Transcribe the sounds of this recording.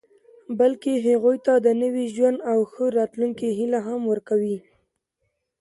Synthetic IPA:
balkeɦaɣujt̪ad̪ənəwiʒwand̪awxəɾɑt̪luŋkiɦilaɦamwəɾkawi

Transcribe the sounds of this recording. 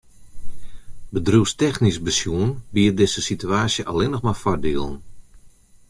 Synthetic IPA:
bədruwstɛxnisbəsjuənbiːərdɪzəsityaːsjəʔalɪnɔxmafɔrdiəlˠən̩

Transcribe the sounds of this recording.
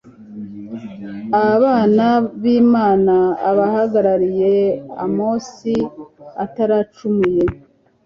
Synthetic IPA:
aβaːnaβiːmaːnaːβahaɡaɾaɾije̞a̰moːsiataɾaːt͡ʃumuje̞

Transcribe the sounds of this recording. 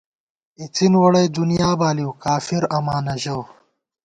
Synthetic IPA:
it͡sinwɐɽɐjd̪unijaːbaːliwkaːfiɾɐmaːnɐʑɐw

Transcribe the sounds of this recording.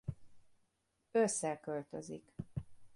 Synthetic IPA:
øsːɛkølt̪ø̰zḭk

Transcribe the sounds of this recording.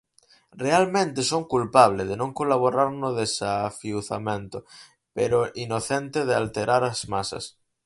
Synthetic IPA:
realmẽnt̪esoŋkulpaβ̞leð̞enõŋkolaβ̞oɾaɾnoðesafiuθamẽnt̪o | peɾoʔinoθent̪eðealt̪eɾaɾazmasa̰s

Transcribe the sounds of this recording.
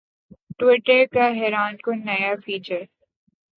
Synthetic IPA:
ʈwɪʈəɾkaɦɛːɾaːnkonɐjafiːt͡ʃəɾ

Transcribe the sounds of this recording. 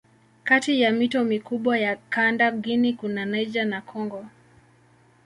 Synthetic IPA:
katijamitɔmikuɓwajakandaɡinikunanɛd͡ʒanakʰɔŋɡɔ

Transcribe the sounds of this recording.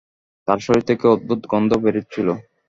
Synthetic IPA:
t̪aɾʃɔɾit̪ʰekeod̪ːut̪ɡɔnd̪ʱobeɾet͡ɕʰilo

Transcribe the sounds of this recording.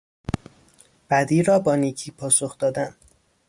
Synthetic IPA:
b̥æd̪iːɾɒːbɒːniːcʰiːpʰɒːsoxd̪ɒːd̪æn

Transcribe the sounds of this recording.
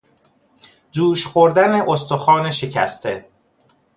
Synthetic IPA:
d͡ʒuːʃxoɾd̪æne̞ʔost̪oxɒːneʃe̞cʰæ̰st̪ʰe̞

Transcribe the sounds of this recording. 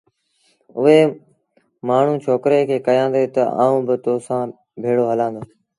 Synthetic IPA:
ʊɦeː | maːɳ̤ũːt͡ʃʰoːkɾeːkʰeːkəjãːnd̪eːt̪əa̰ːũːbɪt̪oːsãː | bʱeːɽoːɦəlãːnd̪oː

